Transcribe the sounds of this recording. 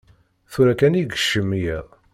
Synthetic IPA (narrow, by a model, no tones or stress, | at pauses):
θuɾækæniɡə̥ʃːəmːijɛðˤ